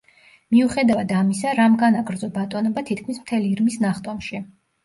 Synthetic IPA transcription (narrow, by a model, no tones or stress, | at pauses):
miuχɛd̪avad̪amisaɾamɡanaɡɾd̪zɔbat̪ʼɔnɔbat̪ʰit̪̚ʰkʰmismt̪ʰɛliːɾmisnaχt̪ʼɔmʃi